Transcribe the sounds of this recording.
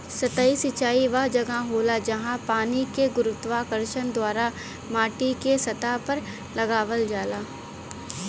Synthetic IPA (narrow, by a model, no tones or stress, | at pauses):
sɐt̪aːisɪt͡ʃaːiʋɐd͡ʒɐɡaɦoːlad͡ʒɐɦãpaːnikeɡʊɾʊt̪ʋaːkəɾʃənd̪waːɾa | maːʈikesɐt̪apɐɾ | lɐɡaːʋəld͡ʒaːlaː